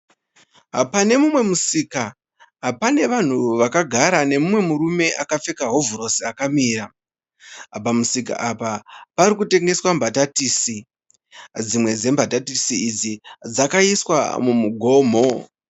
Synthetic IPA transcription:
ɦapane̞mumwe̞musika | ɦapane̞ʋan̤uʋakaɡʱaɾane̞mumwe̞muɾume̞ʔakafe̞kaɦo̞vɾo̞siakamiːɾa | apamusika̰ʔapapaɾikute̞ŋɡe̞swambʱatatiːsi | d͡zimwe̞d͡ze̞mbʱatatisiːd͡zid͡zakaiswa̰mumuɡʱo̞ːmo̞

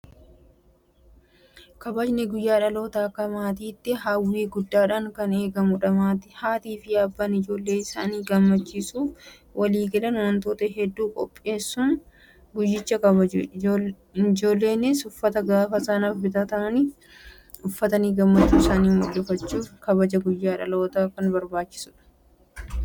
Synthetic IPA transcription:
kɐbɐd͡ʒnɛɡʊjːaːᶑɐlo̞ːt̪aːkːɐmaːt̪iːt̪ːɪɦɐwːiːɡʊd̪ːaːᶑaŋkɐne̞ːɡɐmʊᶑɐmaːt̪ɪ̥haːt̪iːfɪɐbːɐnɪd͡ʒo̞ːlːe̞ːɪsaːniːɡɐmːɐt͡ʃːiːsuːf | wʔɐliːɡɐlɐnwɐnt̪oːt̪ɐɦɛd̪ːuːkʼɔpʼːe̞ːsːʊn | ɡʊjɪt͡ʃːɐkɐβɐd͡ʒu | d͡ʒo̞ːlːe̞ːnɪsʊfːɐt̪ɐɡaːfɐsɐnɐfbɪt̪ɐt̪ɐmɐniː | ʊfːɐt̪ɐniːɡɐmːɐt͡ʃːuːɪsaːniːmʊᶑɛfɐt͡ʃːuːfkɐbɐd͡ʒɐɡʊjːaːᶑɐ̰lɐːt̪aːkɐnbɐɾbaːt͡ʃːɪ̥sʊᶑɐ̥

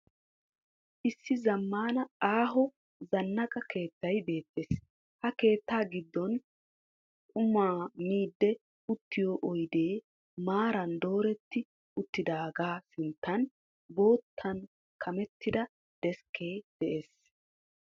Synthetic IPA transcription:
ʔɪsːɪzɐmːaːnɐaːɦɔ | zɐnːɐkʼɐke̞ːt̪ːɐjbe̞ːt̪ːeːs | hɐke̞ːt̪ːaːɡɪd̪ːɔn | kʼʊmaːmiːd̪ːɛ | ʊt̪ːɪjoːʔɔjd̪e̞ː | maːɾɐnd̪o̞ːɾɛt̪ːɪ | ʊt̪ːɪd̪aːɡaːsɪnt̪ːɐn | bo̞ːt̪ʰːɐn | kʰɐmɛt̪ːɪd̪ɐ | d̪̥ɛskʰːe̞ːd̪̥ɛʔe̞ːs

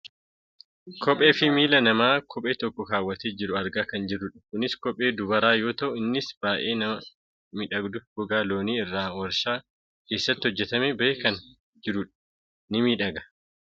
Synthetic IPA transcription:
kʰɔpʼe̞ːfɪmiːlɐnɐmaːkʰɔpʼe̞ːt̪ɔkːɔkaːwːɐt̪eːd͡ʒɪɾʊɐɾɡaːkɐnd͡ʒɪrːʊᶑɐ̥kʊnɪskɔpʼe̞ːd̪ʊbɐɾaːjo̞ːt̪ɐʔʊɪnːɪsbaːʔe̞ːnɐmɐ | mɪᶑɐɡd̪ʊɡ̥ʊɡaːlo̞ːniːɪrːaːnwɐɾʃaː | ke̞ːsːɐt̪ːɪhɔd͡ʒːɛt̪ɐmebɐeːkɐn | d͡ʒɪɾʊᶑɐ̥ | nɪmiːᶑɐɡɐ̥

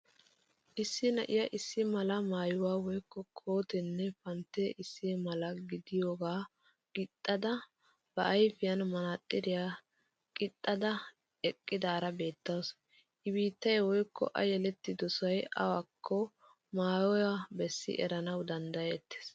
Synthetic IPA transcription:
ʔɪsːɪnɐʔɪjɐʔɪsːɪmɐlɐmaːjʊwaːwɔjkːɔkʰo̞ːt̪ɛnːɛfɐnt̪ːeʔɪsːɪmɐlɐɡɪd̪ɪjoːɡaː | kʼɪt̪ʼːɐd̪ɐ | b̥ɐʔːjfɪjɐnmɐnat̪ʼːɪd̪ɪja | kʼɪt̪ʼːɐd̪ɐ | ɛkʼːɪd̪aːɾɐbe̞ːt̪ːɐws | ʔɪbiːt̪ːɐjwɔjkːɔ̰ʔɐjɛlɛt̪ːɪd̪ɔsɐjɐ̰wakʰːɔ | maːjɔjɐbɛsːɪ̰ʔɛ̰ɾɐnɐwd̪ɐnd̪ɐjɛːt̪ːe̥s

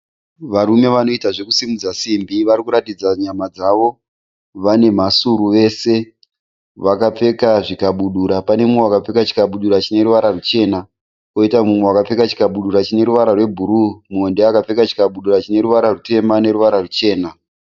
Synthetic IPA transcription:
ʋaɾume̞ʋano̞itaʐe̞kusimud͡zasimbiʋaɾikuɾatid͡zaɲamad͡zaʋo | ʋane̞m̤asuɾuʋe̞ːse̞ | ʋakap͡fe̞kaʐikaɓuɗuɾapane̞muŋewakap͡fekat͡ʃi̥kaɓuɗuɾat͡ʃine̞ɾuʋaɾarut͡ʃe̞ːna | oitamumwe̞wakap͡fe̞kat͡ʃi̥kaɓuɗuɾat͡ʃine̞ɾuʋaɾarwe̞bʱuɾumuondeakap͡fe̞kat͡ʃi̥kaɓuɗuɾat͡ʃine̞ɾuʋaɾarute̞mane̞ɾuʋaɾarut͡ʃe̞ːna

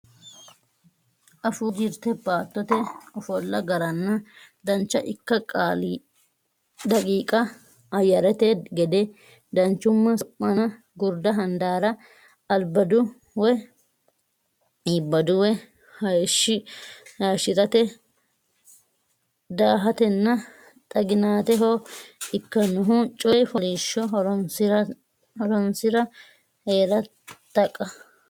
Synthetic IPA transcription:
ʔɐfuːd͡ʒɪɾt̪ɛbaːt̪ːɔt̪ɛɔfɔlːɐɡɐɾɐnːɐd̪ɐnt͡ʃːɐʔɪkːɐkʼaːl | d̪ɐkʼiːkʼɐ | ɐjɐɾɛt̪ɛɡɛd̪ɛ | d̪ɐnt͡ʃːʊmːɐɔpːɐnɐ | ɡʊɾd̪ɐɦɐnd̪aːɾɐ | ɐlbɐd̪ʊ | wɛ | ɪbːɐd̪ʊwɛ | hɐjʃːɪjaːʃɪt̪ʼɐt̪ɛ | d̪aːɦɐt̪ɛnːɐ | t̪ʼɐɡɪnaːt̪ɛɦoɪkːɐnʊɦʊt͡ʃʼɔjfɔliːʃːɔɦɔn | hɔɾɔnsɪɾɐ | heːɾɐ | t̪ːɐkʼːɐ

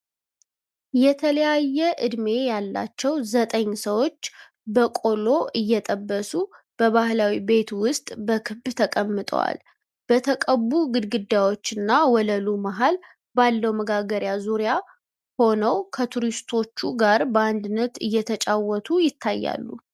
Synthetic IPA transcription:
jɛt̪ʰələjajːɛʔɨd̪me̞jalːa̰t͡ʃːɛwzət̪ʼəɲːsəwo̞t͡ʃː | bəkʼo̞lo̞ʔɨjːɛt̪ʼəbːəsu | b̥əβahlawibe̞t̪wʊst̪ʼbəkʰɨbt̪ʰəkʼəmːɨt̪ʼə̰wa̰l | b̥ət̪ʰəkʼəβuɡɨd̪ɡɨd̪ːawo̞t͡ʃːɨnːawɔləlumaɦal | balːəwməɡaɡəɾjazuɾja | ho̞nəwkʰət̪ʰuɾist̪ʰo̞t͡ʃːuɡaɾbəand̪ɨnːət̪ɨjːɛt̪ʰət͡ʃʼawɔt̪ʰujɪt̪ʰːajːa̰lːṵ

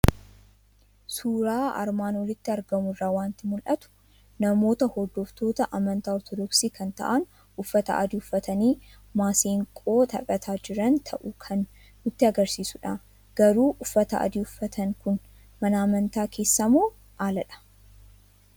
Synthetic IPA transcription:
suːɾaːɐ̰ɾmaːnwɔlɪt̪ːɪɐɾɡɐmʊrːaːwaːnt̪ɪmʊlʔɐt̪ʊ̥ | nɐmo̞ːt̪ɐhɔd̪ɔft̪o̞ːt̪ɐʔɐmɐnt̪aːɔt̪ɔd̪ɔksiːkʰɐnt̪ɐ̰ʔɐn | ʊfːɐt̪ɐ̰ʔɐ̰d̪iːʊfːɐt̪ɐniː | maːseːŋkʼoːt̪ʰɐpʼɐt̪ʰaːd͡ʒɪɾɐnt̪ʰɐʔʊkʰɐn | ʊt̪ːɪɐɡɐɾsiːsʊᶑa | ɡ̥ɐɾuːʔʊfːɐt̪ɐ̰ʔɐ̰d̪iːʊfːɐt̪ʰɐŋkʊn | mɐnɐːmɐnt̪aːkʰe̞ːsːɐmoː | ʔaːlɐᶑɐ̥

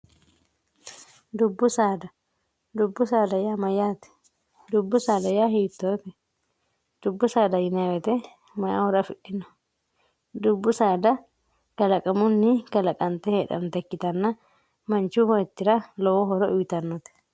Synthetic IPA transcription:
d̪ubːʊsaːd̪ɐ | d̪ubːʊsaːd̪ɐjamɐjat̪ɛ̥ | d̪ubːʊsaːd̪ɐjaːɦit̪ːot̪ɛ | d̪̥ubːʊsaːd̪ɐjɪnawɛt̪ɛ | mɐja̰hɔɾɐfɪɗːɪnɐ̥ | d̪ubːʊsaːd̪ɐ | ɡ̥ɐlɐkʼɐmunːiɡɐlɐkʼɐnt̪ɛhɛᶑɐ̰mt̪ɛkːɪt̪ɐnːa | mɐnt͡ʃuhɔɛt̪ːɪɾalɔwɔɦɔɾɔʔujt̪ɐnːɔt̪ɛ̥

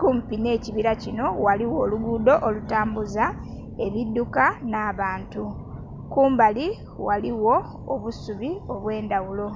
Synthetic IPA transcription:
kuːmpine̞ːciβiɾacino̞waliwo̞ːluɡuːdo̞ʔolutaːmbuza | e̞βidːukanaːβaːntu | kuːmbali | waliwo̞ː | βusuβio̞βwe̞ːndawulo̞

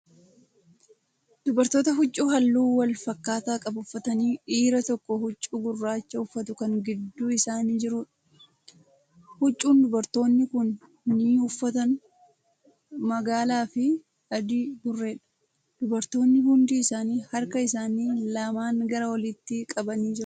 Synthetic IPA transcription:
d̪̥ʊbɐɾt̪o̞ːt̪ɐɦʊt͡ʃʼːuːɦɐlːuːwɐlfɐkːaːt̪aːkʼɐbʊfːɐt̪ɐniːʔiːɾɐt̪ɔkːɔhʊt͡ʃʼːuɡʊrːaːt͡ʃːɐʊfːɐt̪ʊkɐŋɡɪd̪ːuːɪsaːniːd͡ʒɪɾuːᶑɐ | hʊt͡ʃʼːuːnd̪ʊbɐɾt̪o̞ːnːɪkʊnː | iːʊfːɐt̪ɐn | mɐɡaːlaːfɪ | ɐd̪ɪbʊrːe̞ːᶑɐ̥ | d̪̥ʊbɐɾt̪o̞ːnːɪhʊnd̪iːɪsaːniːhɐɾkɐɪsaːniːlɐmaːŋɡɐɾɐwɐlɪt̪ːɪkʼɐbɐniːd͡ʒɪɾ

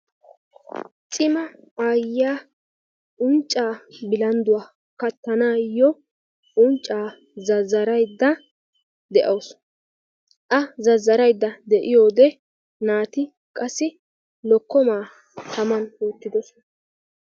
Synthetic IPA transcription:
t͡sʼɪmɐ | aːjːaː | ʔʊnt͡ʃʼːaːbɪlɐnd̪ʊwaː | kɐt̪ːɐnaːjɔ | ʔʊnt͡ʃʼːaː | zɐzːɐɾɐjd̪ːɐ | d̪ɛʔɐws | ʔɐzɐzːɐɾɐjd̪ːɐd̪ɛʔɪjo̞ːd̪ɛ | naːt̪ɪ | kʼɐsːɪ | lɔkːɔmaː | t̪ɐmɐnoːt̪ːɪd̪ɔsɔn

